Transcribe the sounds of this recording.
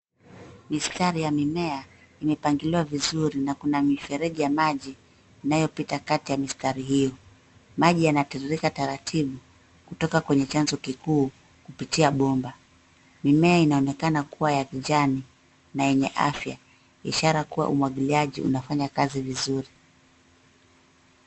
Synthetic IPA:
mistaɾijamimɛa | imɛpaŋɡiliwavizuɾinakunamifɛɾɛʄijamaʄiː | najɔpitakatijamistaɾiɦijɔ | maʄijanatɛɾiɾikataɾatʰiɓu | kutɔkakwɛɲɛt͡ʃanzɔkikuː | kupitiaɓɔmba | mimɛainaɔnɛkanakuwajakiʄani | najɛɲɛʔa̰fja̰ | iʃaɾakuwa̰ʔumwaɠiliaʄḭʔṵnafaɲakazivizuɾi

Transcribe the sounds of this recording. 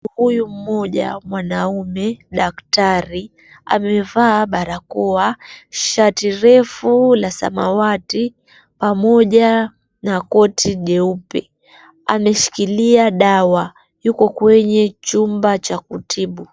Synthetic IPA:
hujum̩mɔʄa̰mwanaumɛɗaktaɾi | a̰mɛvaːɓaɾakuaʃatiɾɛfulasa̰ma̰wati | pamɔʄa | nakɔtʰiʄɛupɛ | amɛʃi̥kiliaɗawa | jukɔkwɛɲɛt͡ʃumbat͡ʃakutʰiɓu

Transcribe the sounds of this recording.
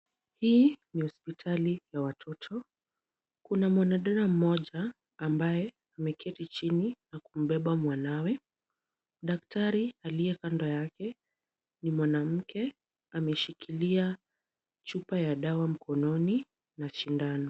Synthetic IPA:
hiːnihɔspitʰalijawatʰɔtʰɔ | kunamwanaɗaɾam̩mɔʄaː | mbajɛ | amɛkʰɛtit͡ʃininakum̩ɓɛɓamwanawɛ | ɗak̚tʰaɾialijɛkandɔjakɛ | nimwanam̩kʰɛ | amɛʃikʰilia | t͡ʃupajaɗawam̩kʰɔnɔni | naʃindanɔ

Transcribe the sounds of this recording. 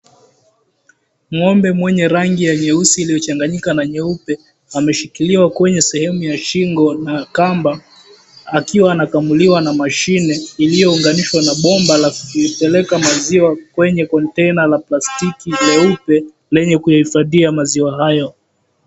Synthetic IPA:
m̩ŋɔmbɛmwɛɲɛɾaŋɡijaɲɛusiːlijɔt͡ʃaŋɡaɲikanaɲɛupɛ | amɛʃikiliwakwɛɲɛsɛhɛmujaʃiŋɡɔnakambaː | kiwaːnakamuliwanamaʃinɛilijɔuŋɡaniʃwanaɓɔmbalakupɛlɛkamaziwakwɛɲɛkɔntɛnalaplastikilɛupɛ | lɛɲɛkujahifaðiamaziwaɦajɔ

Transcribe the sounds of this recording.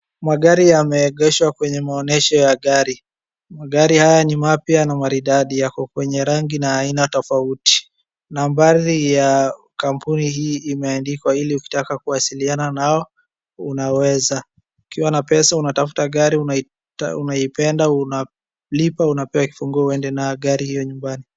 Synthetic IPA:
maɠaɾijamɛːɠɛʃwakwɛɲɛmaɔnɛʃɔjaɠaɾi | maɠaɾihajanimapjanamaɾiɗaɗijakɔkwɛɲɛɾaŋɡinaːinatɔfauti̥ | nambaɾija | kampunihiːmɛandikwailiuki̥takakuwasiliananaɔ | unawɛza | ukiwanapɛsaunatafu̥taɠaɾiuna | unaipɛndauna | lipaunapɛwaki̥fuŋɡuɔuɛndɛnaɛɠaɾihijɔɲumbani

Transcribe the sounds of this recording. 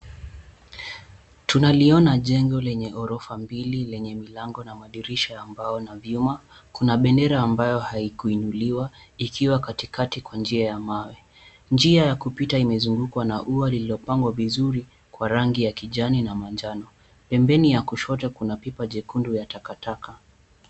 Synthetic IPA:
tunaliɔnaʄɛŋɡɔlɛɲɛʔɔɾɔfambililɛɲɛmilaŋɡɔnamaɗiɾiʃaːmbaɔnavjuma | kunaɓɛndɛɾaːmbajɔhaikuinuliwaikʰiwakatikatikwand͡ʒiajamawɛ | nd͡ʒiajakupitaimɛzuŋɡukwanaʔualililɔpaŋɡwavizuɾi | kwaɾaŋɡijakiʄaninamand͡ʒanɔ | pɛmbɛnijakuʃɔtɛkunapipaʄɛkundujatakataka

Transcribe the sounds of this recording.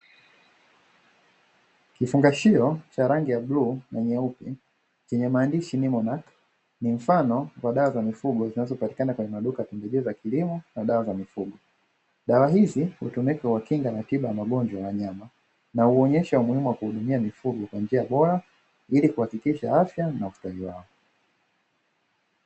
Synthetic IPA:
kifuŋɡaʃiɔt͡ʃaɾaŋɡijaɓlunaɲaupi | t͡ʃɛɲɛmaːndiʃinimɔnak | nim̩fanɔwaɗawazamifuɠɔzinazɔpati̥kanakwɛɲɛmaɗukajatɛmbɛʄiɔzakilimɔnaɗawazamifuɠɔ | ɗawaɦizihṵtumikawakiŋɡanatiɓajamaɠɔnd͡ʒwajawaɲama | nauɔɲɛʃaumuhimuwakuhuɗumiamifuɡɔkwand͡ʒiaɓɔɾa | ilikuhakikiʃaafjanaustaliwaɔ

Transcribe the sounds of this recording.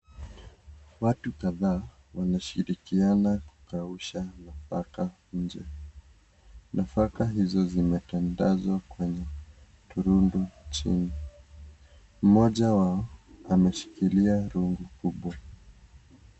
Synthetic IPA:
watukaðaː | wanaʃiɾikianaku̥kauʃanafa̰ka | ɲ̩d͡ʒɛ | nʔafakaɦizɔzimɛtandazwakwɛɲɛ | tuɾundut͡ʃḭni | m̩mɔʄawaɔamɛʃi̥kiliaɾuŋɡukuɓwa

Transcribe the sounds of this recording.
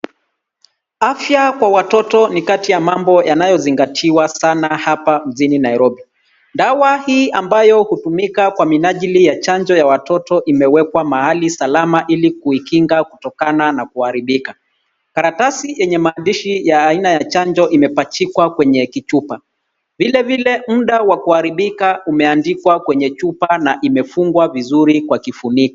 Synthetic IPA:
afjakwawatɔtɔnikatijamambɔjanajɔziŋɡatʰiwasanahapam̩ʄininaiɾɔbi | ndawahiːʔambajɔhutumikakwaminaʄilijat͡ʃand͡ʒɔjawatɔtɔʔimɛwɛkwamahalisalamaʔilikuikiŋɡakutɔkananakuhaɾiɓika | kaɾatasijɛɲɛmaːndiʃijaːinajat͡ʃaɲd͡ʒɔʔimɛpat͡ʃikwakwɛɲɛkit͡ʃupa | vilɛvilɛm̩ɗawakuhaɾiɓikaumɛandikwakwɛɲɛt͡ʃupanaʔimɛfuŋɡwavizuɾikwakifunikɔ

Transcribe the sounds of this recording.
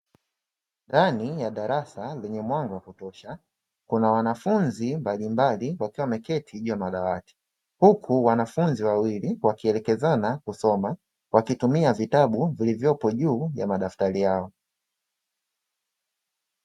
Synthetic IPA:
ndanijaɗaɾasalɛɲɛmwaŋɡɔwakutɔʃa | kunawanafunzimbalimbaliwakiwamɛkɛtʰiʄujamaɗawati̥ | hukʰuwanafunziwawiliwakiɛlɛkɛzanakusɔma | wʔakitumiavitaɓuvilivjɔpɔʄuːjamaɗaftalijaɔ

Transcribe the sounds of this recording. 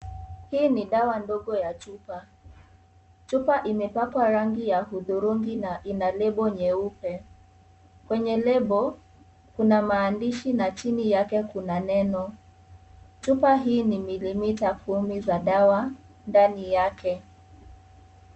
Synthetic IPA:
hiːniɗawandɔɠɔjat͡ʃupa | t͡ʃupaʔimɛpapwaɾaŋɡijahuðuɾuŋɡinaʔinalɛɓɔɲɛupɛ | kwɛɲɛlɛɓɔ | kunamaːndiʃinat͡ʃinijakɛkunanɛnɔ | t͡ʃupaɦiːnimilimitakʰumizaɗawa | ndanijakʰɛ

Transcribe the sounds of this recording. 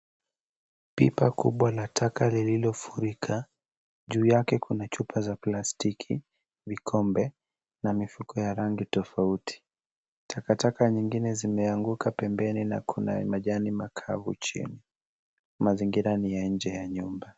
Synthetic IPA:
pḭpakṵɓwalatʰakalililɔfuɾikʰa | ʄuːjakɛkʰunat͡ʃupʰazaplastikʰḭ | vikʰɔmbɛ | namifukʰɔjaɾaŋɡitɔfautʰi̥ | tʰakatakaɲiŋɡinɛzimɛaŋɡukʰapɛmbɛnina̰kʰuna̰maʄanimakʰa̰vṵt͡ʃḭni | maziŋɡiɾanijaɲ̩d͡ʒɛjaɲumba

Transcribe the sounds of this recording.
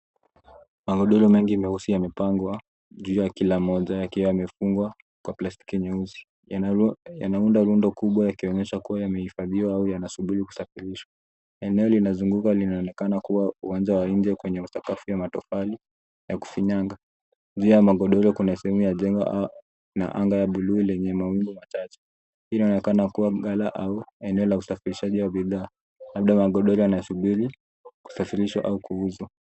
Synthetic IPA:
maɠɔɗɔlɔmɛŋɡiːmɛhusijamɛpaŋɡwa | ʄuːjakilamɔʄajakiwajamɛfuŋɡwa | kwaplasti̥kiɲɛuzi̥ | ja̰naundaɾundɔkuɓwajakiɔɲɛʃakuwajamɛhifaðiwaaujanasuɓiɾiku̥safiɾiʃwa | ɛnɛɔlinazuŋɡukalinaɔnɛkanakuwauwand͡ʒawaind͡ʒɛkwɛɲɛusakafujamatɔfali | jaku̥fiɲaŋɡa | d͡ʒuːjamaɠɔɗɔlɔkunasɛhɛmujaʄɛŋɡa̰ | na̰ʔaŋɡajaɓuluilɛɲɛmawimɡɔmat͡ʃat͡ʃɛ̥ | inaɔnɛkanakuwaɠalaʔauɛnɛɔlausafiɾiʃaʄiwaɓiðaː | laɓ̚ɗamaɠɔɗɔɾɔjanasuɓiɾi | ku̥safiɾiʃwa̰ʔaukʰuuzwa

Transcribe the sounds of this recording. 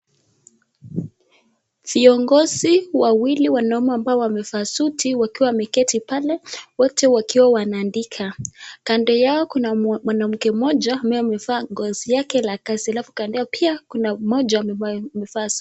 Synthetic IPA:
viɔŋɡɔziwawiliwanaɔmaːmbaɔwamɛfaːsutʰiwakiwamɛkɛtipalɛwɔtʰɛwakiwawanaːndikʰakandɛjaɔkunamwanam̩kɛmɔd͡ʒamajmɛvaːŋɡɔzijakɛlakazialafukandɛapʰiakunamɔd͡ʒamɛfas

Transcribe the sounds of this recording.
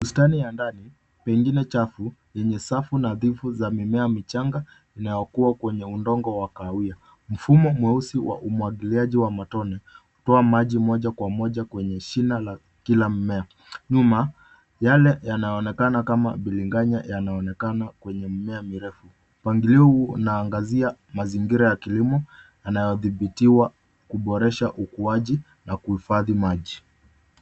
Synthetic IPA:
ustanijandani | pɛŋɡinɛt͡ʃafujɛɲɛsafunaðivuzamimɛamit͡ʃaŋɡa | inajɔkuakwɛɲɛundɔŋɡɔwakaia | m̩fumɔmwɛusiwa̰ʔumwaɠiliaʄiwamatɔnɛhutɔamaʄimɔʄakwamɔʄakwɛɲɛʃinala | kilam̩mɛa | ɲuma | jalɛjanajɔɔnɛkanakama̰ɓiliŋɡaɲajanaɔnɛkanakwɛɲɛm̩mɛamiɾɛfu | paŋɡiliunaːŋɡaziamaziŋɡiɾajakilimɔ | janajɔðiɓitiwa | kuɓɔɾɛʃaʔukuaʄi | nakuhifaðimaʄi

